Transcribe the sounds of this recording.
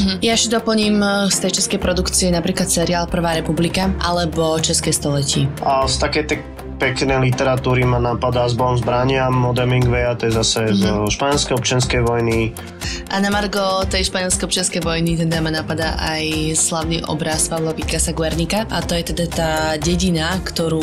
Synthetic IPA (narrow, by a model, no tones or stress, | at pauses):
ɦ̩jaɛʃɛd̪ɔpl̩ɲiːmst̪ɛjt͡ʃɛskɛjpɾɔd̪ukt͡siɛnapɾiːklat̪sɛɾiaːlpr̩ʋaːɾɛpublikaʔalɛbɔt͡ʃɛskɛjst̪ɔlɛcɪɛast̪akɛjt̪ɛ | pɛknɛjlit̪ɛɾat̪uːɾimanapad̪azbɔɔmzbɾaɲɪamːɔd̪ɛmiŋɡʋɛat̪ɔjɛzasɛzʃpaɲɛlˠskɛjɔpt͡ʃɪanskɛjʋɔjni | ʔanamaɾɡɔt̪ɛjʃpaɲɛlˠskɛjɔpt͡ʃɪanskɛjʋɔjnit̪ɛd̪amanapad̪aʔajslaʊniːʔɔ̰bɾaspalɔpikasaɡʋɛɾnikaʔat̪ɔjɛt̪ɛd̪at̪aːɟɛɟinakt̪ɔɾuː